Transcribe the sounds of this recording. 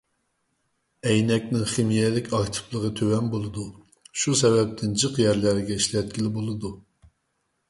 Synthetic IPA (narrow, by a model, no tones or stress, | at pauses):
ɛjnɛkʲnɪŋχemijɛlɪkʲɑkt̪ʰɪ̥plˠəʁət̪ʰøwɛnbolˠɨd̪u | ʃusɛvɛp̚t̪ʰɪnd͡ʒɨqjæɾlæɾɡʲɛiʃlɛt̪̚ɡʲilɪbolˠɨd̪u